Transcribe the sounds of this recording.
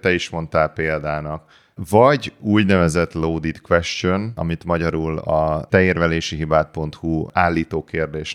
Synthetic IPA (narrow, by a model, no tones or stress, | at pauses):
t̪ɛiʃmo̞nt̪aːlpeːld̪aːnɒk | vɒɟuːɟnɛvɛzɛt̪loːd̪it̪kʋɛʃt͡ʃonɒ̰mit̪mɒɟɒɾulɒ̰t̪ɛeːrvɛleːʃiɦibaːt̪̚po̞nt̪huaːlːiːt̪oːkeːrd̪eːʃ